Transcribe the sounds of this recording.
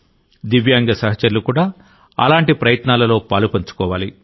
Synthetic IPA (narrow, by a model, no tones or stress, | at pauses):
d̪iʋjaːŋɡɐsɐɦɐt͡ʃɐɾlukuːɽaː | ɐ̰laːɳʈipɾɐjɐt̪naːlɐlo̞ːpaːlupɐɲt͡ʃu̥kɔːʋaːli